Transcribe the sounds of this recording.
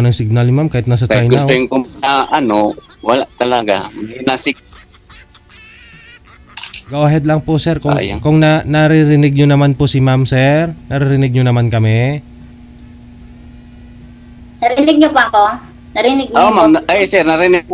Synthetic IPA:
nɐŋsɪɡ̚nalɲmamkaːɪt̪nas̬ɐt͡ʃajnɡʊsaw̪ojɪŋkʊaʔɐnowɐlaʔt̪ɐlaɡa̰mɐɪnasɪk̚ | ɡowaɦɛd̪lɐŋpoʔsɛɾkʊŋ̰jkʊŋnɐnɐɾɪɾɪnɪɡ̚ɲonɐmanposɪmamsɛɾnɐɾɪɾɪnɪɡ̚ɲonɐmankɐmɛ | nɐɾɪnɪɡ̚ɲopako | nɐɾɪnɪɡ̚ɲomamʔajsɛɾnɐɾɪnɪɡ̚

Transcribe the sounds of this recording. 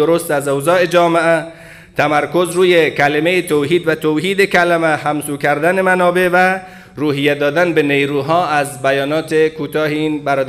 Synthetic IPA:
oɾost̪æzowzɒːed͡ʒɒːmeæ | t̪ʰæmæɾkozɾuːjekælemejet̪ʰoɦiːd̪væt̪ʰowɦiːd̪ekʰælæmæhæmsuːkæɾd̪ænemænɒːbevæ | ɾuːɦijæd̪ɒːd̪ænbenejɾuːɦɒːæzbæjɒːnɒːt̪ʰekʰuːt̪ʰɒːɦeiːnbæɾɒːd̪

